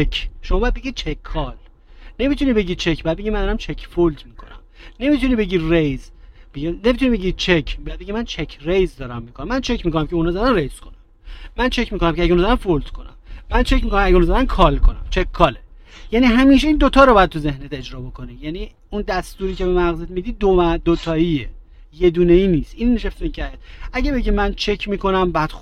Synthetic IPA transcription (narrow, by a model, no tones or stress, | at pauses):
t͡ʃekʰʃomɒːbɒːjæd̪̚beɟid̪̥̚t͡ʃʰekʰːɒːl | ne̞miːt̪ʰuniːbe̞ɟiːt͡ʃʰecʰbejæd̪̚beɟimænd̪ɒːɾæmt͡ʃʰekʰfold̪miːkʰo̞̰næ̰mne̞mit̪ʰuniːbe̞ɟiːrejzbeɡinemit̪uniːbe̞ɟiːd̚t͡ʃʰecʰbjæd̪̚beɟimænt͡ʃʰekʰɾejzd̪ɒːɾæmːiːkʰonæmænt͡ʃʰecʰmiko̞næmkʲʰeunɒːzæd̪ænrejz̥kʰo̞næmː | ænt͡ʃʰecmiːko̞næmceɛæɟɛunːzæd̪ænfold̪̥kʰo̞næ̰mːænt͡ʃʰecmikonæmæɟunzad̪ænkʰɒːlkʰo̞næ̰mt͡ʃʰekʰkʰːɒːlejæniːɦæmiːʃeiːnd̪ot̪ʰɒːɾobɒːjæd̪̚t̪uze̞hnet̪e̞d͡ʒɾɒːbo̞kʰo̞niːjæniː | und̪æst̪uːɾiːcʰebemæɣzet̪mid̪iːd̪̚d̪omæd̪ot̪ʰɒːie | je̞d̪uːneiːniːst̪ʔiːnːeʃeft̪encʰæt̪æɟebe̞ɟimænt͡ʃʰecʰmiːko̞næmbæd̪̥x